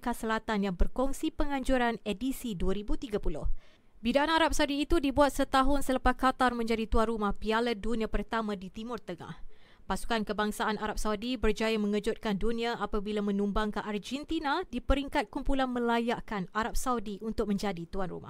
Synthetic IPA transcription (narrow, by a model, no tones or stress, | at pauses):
kasəlat̪anjaŋbərkɔŋsipəŋãɲd͡ʒuɾanɛdisiduəɾibut̪iɡapulʊ̰h | bidaʔanaɾap̚sawdiːt̪udibuat̪̚sət̪aɦʊnsəlapakat̪armə̃ɲd͡ʒadit̪uanrumahpialədunĩapərt̪amãdit̪imʊrt̪əŋa̰h | pasu̥kankəbaŋsaanaɾap̚sawdibərd͡ʒajamə̃ŋəd͡ʒʊt̪̚kandunĩaapabilamə̃nũmbaŋkanʔard͡ʒɛnt̪inadipəɾiŋkat̪̚kumpulanmə̃lajaʔkanaɾap̚sawdiunt̪ʊk̚mə̃ɲd͡ʒadit̪uanrṵma̰h